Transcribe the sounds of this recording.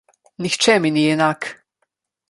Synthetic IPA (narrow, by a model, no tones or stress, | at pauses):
nixt͡ʃɛminijɛnaːk